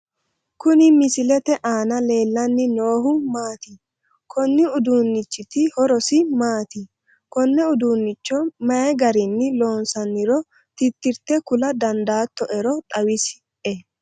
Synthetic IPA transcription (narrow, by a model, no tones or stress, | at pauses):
kʊnɪmɪsɪlɛt̪ɛʔaːnɐle̞ːlːɐnːɪno̞ːhʊmaːt̪i | kʰɔnːɪʊd̪uːnːɪt͡ʃːɪt̪ɪhɔɾɔsɪmaːt̪i | kɔnːɛʊd̪uːnːɪt͡ʃːɔmɐjɛɡɐɾɪnːɪlo̞ːnsɐnːɪɾɔ | t̪ɪt̪ːɪɾt̪ːɛkʊlɐd̪ɐnd̪aːt̪ːɔʔɛɾɔt̪ʼɐwɪs | ɛ